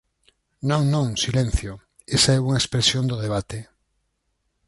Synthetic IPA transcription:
nõŋnõŋsilẽn̟θjo | esaɛuŋaespɾesjond̪oðeβat̪e

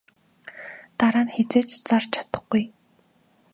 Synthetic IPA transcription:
t̪aɾaːnxet͡seːt͡ɕt͡sart͡ɕʰḁt̪ə̆χɡuj

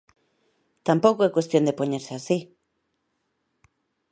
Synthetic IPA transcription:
t̪ampokoekwe̞st̪jo̞nd̪e̞po̞neɾseasi

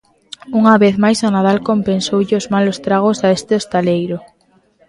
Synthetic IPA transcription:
uŋaβeθmajsonaðalkompensowʎɪʊzmalost̪ɾaɣ̞osaest̪ɪest̪alejɾʊ

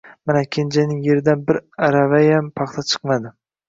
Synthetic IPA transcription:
manakʲʰend͡ʒanɪŋjeɾɪd̪anbɪɾaɾavajampʰɑχt̪ʰat͡ʃʰɨ̥qmad̪ɪ

